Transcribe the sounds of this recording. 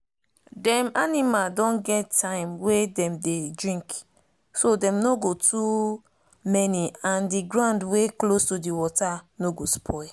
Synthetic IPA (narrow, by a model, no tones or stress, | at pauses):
dɛ̃manimadɔ̃nɡɛtʰːãɪ̃mwedɛ̃mdedɹĩŋk | sodɛ̃mnoɡotu | mɛniãndiɡɹãndweklostudiwɔtanoɡospʰɔɪ